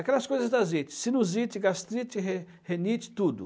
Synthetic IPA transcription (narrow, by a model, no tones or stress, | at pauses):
akɛlɐskojzɐzd̪azit̪ɪ̥sinuzit̪iɡast̪ɾit̪iɦe | henit̪i̥t̪ud̪ʊ̰